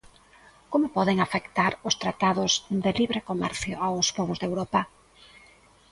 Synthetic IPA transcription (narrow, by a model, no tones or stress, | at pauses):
komʊpɔðɪŋafekt̪aɾʊst̪ɾat̪aðʊzd̪ɪliβɾekomɛ̰ɾθjoawspɔβozðewɾɔpɐ